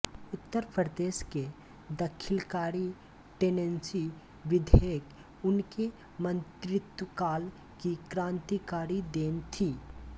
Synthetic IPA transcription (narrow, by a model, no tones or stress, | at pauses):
ʊt̪ːəɾpɾəd̪eːʃke | d̪əkʰɪlkaːɾi | ʈeːnẽnsi | ʋɪd̪ʱeːk | ʊnke | mə̃nt̪ɾɪt̪wəkaːl | kikɾãːnt̪ikaːɾid̪eːnt̪ʰiː